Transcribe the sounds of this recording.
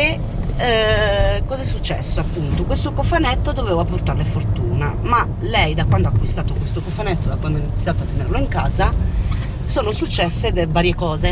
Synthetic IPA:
e | kːɔzɛsːut͡ʃːɛ̰sːoapːunt̪okwest̪okofanɛt̪ːod̪oveːvaport̪arlefort̪uːnama | lɛjd̪akwand̪oakːwist̪aːt̪okwest̪okofanɛt̪ːod̪akwand̪oinit̪sjaːt̪oat̪ːenḛrloiŋka̰ːza | soːnosut͡ʃːɛsːed̪evaːɾjekɔːze

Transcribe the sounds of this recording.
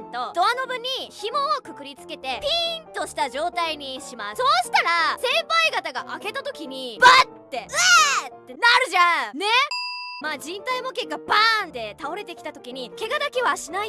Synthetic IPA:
t̪o̞d̥̪o̞ano̞bɯ̟ɲ̟ːiçimo̞ːkɯ̟kɯ̟ɾʲit͡sɨ̥ke̞t̪e̞pʲint̪o̞ɕi̥t̪aʑo̞ːt̪aiɲ̟iɕimasso̞ːɕi̥t̪aɾasẽ̞mpaiɡat̪aɡaʔake̞t̪at̪o̞kʲiɲ̟ib̥at̪ːe̞ɯt̪ːenaɾɯ̟ʑãne̞maːd͡ʑĩnt̪aimo̞ke̞kːaband̪e̞t̪ao̞ɾe̞t̪e̞kʲi̥t̪at̪o̞kʲiɲ̟ike̞ɡad̪akiβaɕinai

